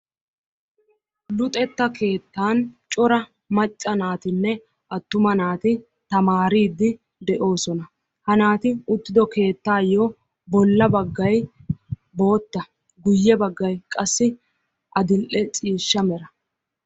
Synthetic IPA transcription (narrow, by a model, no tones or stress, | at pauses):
lʊt̪ʼɛt̪ːɐke̞ːt̪ːaːnt͡ʃʼɔɾɐ | mɐt͡ʃʼːɐnaːt̪ɪnːɛ | ʔɐt̪ːʊmɐnaːt̪ɪ | t̪ɐmaːɾiːd̪ːɪ | d̪ɛʔo̞ːsɔnɐ | hɐnaːt̪ɪʊt̪ːɪd̪ɔke̞ːt̪ːaːjːo | bɔlːɐbɐɡːɐj | bo̞ːt̪ːɐ | ɡʊjːɛbɐɡːɐjkʼɐsːɪ | ʔɐd̪ɪlʔɛt͡sʼiːʃːɐmɛɾɐ